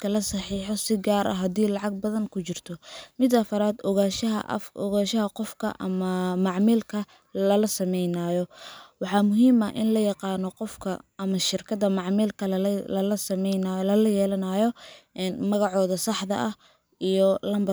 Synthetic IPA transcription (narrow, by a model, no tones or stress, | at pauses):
kʰɐlɐsɑħiːħɔsɪɡaːɾʔɐ̰ɦɐd̪iːlɑʕɑɡ̚bɐðɐŋkʰʊt͡ʃɪrt̪ʰɔmɪd̪ɐfɐɾaːd̪ɣaːʃɐɦɐ̰ʔʔɔ̰ɣaːʃɐɦɐqɔfkʰɐ̰ʔɐ̰mɐmɑʕmiːlkʰɐ | lɐlɐsɐmɛjnaːjɔwɑħɑːmʊɦiːmɐʔɪ̰nlɐjɑqɑːnɔqɔfkʰɐɐmɐʃɪrkʰɐðɐmɑʕmiːlkʰɐlɐlɐsɐmɛjnalɐlɐjɛːlɐnaːjɔnmɐɣɑʕɔːðɐsɑħðɐ̰ʔɐh | ijɔlɐmbɐ